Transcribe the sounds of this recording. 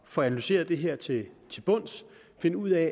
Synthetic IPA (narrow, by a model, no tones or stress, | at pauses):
fɒ̽ænælyse̝̰ːɐðˠd̥e̝ɦeɐ̰t͡sʰe̝t͡sʰe̝lb̥ɔ̽n̰s | fe̝nəuð̰ˠɛ